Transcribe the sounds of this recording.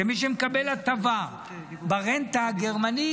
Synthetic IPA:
emiʃ̬emekabe̞lat̪ava | baʁent̪aːɡeʁmani

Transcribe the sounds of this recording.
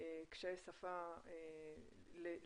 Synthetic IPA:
ekʃajsafae | le

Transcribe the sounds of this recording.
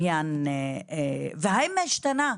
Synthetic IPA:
janeveɦajmeʃt̪ana

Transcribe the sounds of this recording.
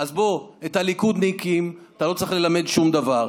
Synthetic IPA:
azbo̞et̪halikud̪neikimat̪alo̞t͡saʁiχle̞lame̞d̪ʃumd̪avaʁ

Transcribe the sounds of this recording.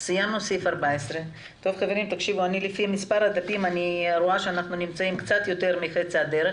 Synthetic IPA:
sijamnosifaɾbaesɾe | t̪o̞vχave̞ɾimt̪akʃivuanilefiamispaɾhad̪apimaniɾoaʃeanaχnunimt͡saimkt͡sat̪jo̞t̪e̞ɾmiχet͡siad̪eɾe

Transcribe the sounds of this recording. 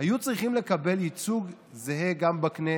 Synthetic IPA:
ajut͡sʁiχimle̞kabe̞lit͡suɡ | zeɦeɡambakne

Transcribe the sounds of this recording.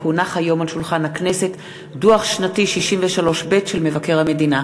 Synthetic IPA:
unaχhajo̞malʃulχanhakne̞se̞t | duaχʃnatiʃiʃimveʃalo̞ʃbe̞tʃelme̞vake̞ʁame̞dina

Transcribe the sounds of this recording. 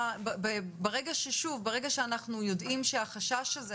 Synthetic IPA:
bbebeʁeɡaʃeʃuvbeʁeɡaʃeanaχnujo̞dimʃeaχaʃaʃaze

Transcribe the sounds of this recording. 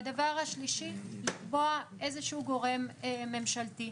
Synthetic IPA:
d̪avaʁhaʃliʃilikbo̞aʔe̞zeʃuuɡo̞ʁe̞meme̞mʃalt̪i

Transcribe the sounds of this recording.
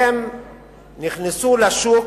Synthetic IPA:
em | niχnesulaʃuk

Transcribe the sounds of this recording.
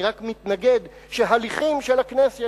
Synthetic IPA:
ʁakmit̪naɡe̞d̪ | ʃeɦaliχimʃelaknesj

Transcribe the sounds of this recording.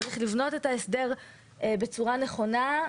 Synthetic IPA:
ʁiχlivno̞te̞taesde̞ʁ | be̞t͡suʁane̞χo̞na

